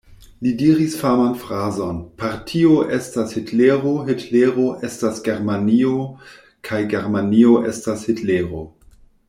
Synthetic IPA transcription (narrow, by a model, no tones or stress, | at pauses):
lidiɾisfamanfɾazonpaɾtʰioʔestashitleɾoɦitleɾoʔestasɡeɾmanio | kʰajɡeɾmanioʔḛstashitleɾo